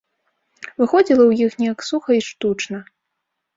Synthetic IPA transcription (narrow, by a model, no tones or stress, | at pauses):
vɨxɔd͡zʲilˠɐwjixnʲɛjɐksuxɐiʂt̪ut͡ʂnɐ